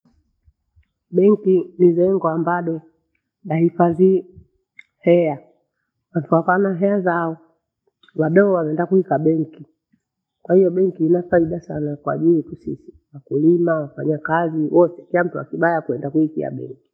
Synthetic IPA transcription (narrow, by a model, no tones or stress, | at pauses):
ɓɛŋkinizɛŋɡɔambaɗɔ | ɗahifazi | hɛa | wantuakanaɦɛazaɔ | waɗɔɔwamɛndakuhikaɓɛŋki | kwahijɔɓɛŋkiːnafaiɗasanakwa̰ʄilitusisi̥ | wakulimawafaɲakaziwɔtɛ̥kilam̩tua̰kiɓajakuɛndakuikḭa̰ɓɛ̰ŋki̥